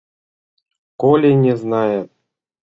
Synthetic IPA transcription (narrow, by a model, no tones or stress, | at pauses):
kolʲenʲeznɑjet̪̚